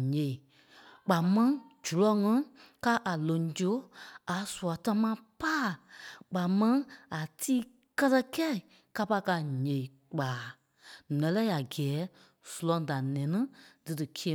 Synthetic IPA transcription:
ɲẽ˨i˨ | k͡pa˨mɛ̃˦d͡ʒu˨lɔ˨˦ŋɛ̃˧˦ka˦ʔa˨lõ˨˦d͡ʒo˦a˨˦su˨a˨ta˧mãː˧˦paː˦˨k͡pa˨mɛ̃˧˦a˨tʰiː˦ | kɜ˦tɛ˧kɛ˦i˨ | ka˧pa˧ka˧ɲẽ˨i˨ | k͡paː˨˦ | nɛ̃˨˦lɛ˦a˨ɡɛː˨˦ | su˨lɔ̃˨˧da˨nɛ̃˨˦nĩ˦d̥ɨ˨dɨ˨kʰi˦e˧˦

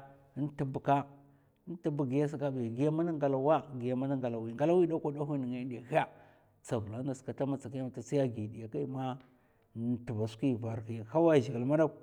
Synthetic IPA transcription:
n˦ti˦bu˨ka˦ | n˦ti˦bu˨ɡi˨ja˦s̬a˨ka˦bi˨ɡi˨ja˦ma˦na˦ŋɡa˨la˨wa˦ɡi˨ja˨ma˦na˦ŋɡa˨la˨wi˨ŋɡa˨˦la˦wi˦da˦kʷa˦da˦xʷi˦ni˨ŋa˨˦n˦de˨xi˦a˦ | t͡sa˨vu˨la˨˦nda˨ska˨ta˦ma˦t͡sa˨ki˦ma˨ta˨si˦ja˦ɡi˨di˨ja˨ka˦i˦ma˦˨ | ti˨va˨ski˦˨va˨ɾki˨ha˦wa˦˨ʒi˨ɡlma˦da˦

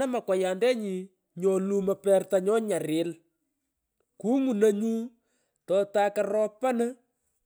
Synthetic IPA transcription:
ɐ˦ma˨kwa˨ja˨ndɛ˦ɲi˨ | ɲɔ˨lu˦mɐ˨pɛ˦rta˨ɲɔ˦ɲa˨ɾɪ˨˦l | ku˦ŋu˨nə˦ɲu˦ | tɔ˨ta˦ka˦rɔ˦pa˦nə˦

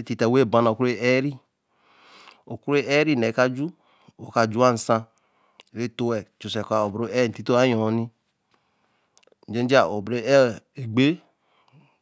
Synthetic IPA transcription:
e˦ti˨ta˨we˦˨bã˦na˨ku˦e˦ɛ˦ɾi˦ | o˨ku˦ɾe˦ʔɛ˦ɾi˦˨nɛ˨˦ka˦d͡ʒu˦ | wo˨ka˨d͡ʒu˦a˦˨n̩˨sã˧˨ | ɾe˦to˦ɛ˨t͡ʃo˨sɛ˨ka˨o˨bɾo˦ɛ˦˨n̩˨ti˦to˦a˦jɔ̃˨˦nĩ˦ | n̩˨d͡ʒe˦d͡ʒa˨o˨bɾe˦ɛ˦e˨ɡ͡be˦

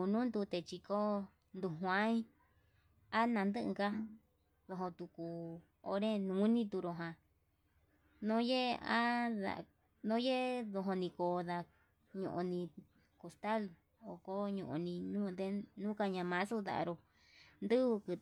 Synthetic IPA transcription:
u˧nũ˦nd̪u˧t̪e˧t͡ʃi˧ko˦ | nd̪u˧ɦwã˦ĩ˦ | a˦nã˧nd̪ɨ˦ʔɨ̰̃˧ka˦ | ðo˧ɦõ˧t̪u˧ku˧ | o̰˧˦ɾẽ˦nũ˨˦nĩ˦t̪u˧ɾo˧ɦã˧ | nõ˦je˦a˦ða̰˨˧ | nõ˦je˦ðo˧ɦõ˧nĩ˧koː˧ða˧ | ɲõ̰˧ʔõ˧nĩ˧ | ko˧st̪a˦l | o˨ko˦ɲõ̰˧ʔõ̰˧nĩ˧nũ˦˧d̪e˧nũː˦ka˧ɲã˧mã˧˦su˦ða̰˧˨a̰˧ɾo˧ | nd̪ɨ˦u˧kɨ˧

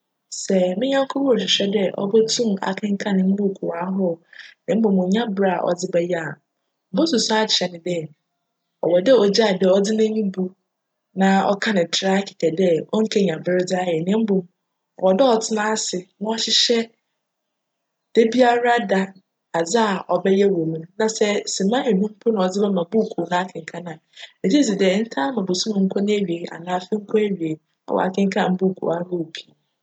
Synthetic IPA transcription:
sɛ˨mɪ̃˦ɲã˦ŋ˦kʰo˦pʰɔ̃˦ɔ˨ɕ̬ɪ˨ɕᶣɛ˦dɛ˦ʔɔ̰˦bɛ˦tʰũ˦ma̰˨kʰɪ̃˦ŋ̩˦kʰã˦nɪ̃˨m̩˦bu˦˨kʰu˨a˨˦ɦɔ˦nɪ̃˨˦m̩˦bõ˨mʊ̃˨ɲã˦bɾa˦˨ʔɔ̰˨d͡zɪ˦bɛ˦ja˦˨ | m̩˨bo˦sʊ˨sa˦a˦t͡ɕʰɛ˨nɪ̃˨dɛ˦ | ɔ̰˨wɔ˨dɛ˦ɔ˨d͡ʑa˦˨dɛ˦˨ɔ˦dɪ˦nã˦mĩ˦bu˨ | nã˨ɔ̰˦kʰã˦nɪ̃˨tʰɾa˦kʰɪ̥˨kʰɛ˨dɛ˦ɔ˦ŋ̩˦kʰe˦ɲã˨bɪ˦ɾɪ˦d͡za˦jɛ˨nɪ̃˨˦m̩˦bo˨m˨ | wɔ˨dɔ˦ɔ˨tʰɪ˦nã˦sɪ˨nʊ̃˦ɔ˦ɕɪ˦ɕɛ˦ | d̥e˦bi˦a˦ɾa˦da˦ | a˨d͡za˦a˨ʔɔ˨bɛ˦jɛ˦wo˨mũ˨˦nã˨sɛ˦sɪ˨mã˦e˨nũ˦m̩˦pʰʊ˦nʊ̃˨ɔ˨d͡zɪ˦bɛ˦mã˨bu˦˨kʰu˨nã˦a˦kʰɪ̃˨ŋ̩˨kʰa˦nã˨e˨d͡ʑi˦si˨dɛ˦˨n̩˦tʰa˦mã˨bo˨su˦mʊ̃˨ŋ̩˦kʰɔ˦nɪ̃˦e˦ɥi˨e˨ʔa̰˨nãː˦˨fɪ˦ŋ̩˦kʰɔ˦e˦ɥi˨e˨ | a̰˦wɔ̰˨a̰˨kʰɪ̃˦ŋ̩˦kʰa˦˨m̩˦bu˦˨kʰṵ˨a˦mo˦o˨pʰi˨˦˨

